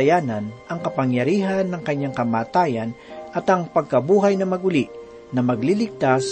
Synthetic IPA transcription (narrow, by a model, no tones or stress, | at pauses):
jaːnɐnʔɐŋkɐpɐŋjɐɾiːɦɐnːɐŋkɐɲːaŋkɐmaːt̪aːjɐn | ʔɐt̪ɐŋpɐɡ̚kɐbuːɦɐjnɐmɐɡʊliʔ | nɐmɐɡlilɪɡ̚t̪as